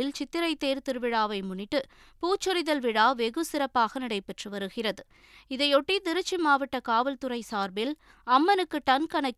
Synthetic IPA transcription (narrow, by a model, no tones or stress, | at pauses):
ɪlt͡ʃɪt̪ːɪɾɐɪt̪ːeːɾt̪ɪɾɯʋɪɽaːʋɐɪmʊɳːɪʈːɯ | puːt͡ʃːɔɾɪðɐlʋɪɽaːʋɛɣɯsɪɾɐpːaːɣɐnɪɽɐɪpɛʈrɯʋɐɾɯɣɪrɐðɯ | ɪðɐɪɔʈːit̪ɪɾɯt͡ʃːimaːʋɐʈːɐkaːʋɪlt̪ʊrɐɪsaːɾbɪl | ɐmːɐnɯkːɯʈɐnkɐnɐkː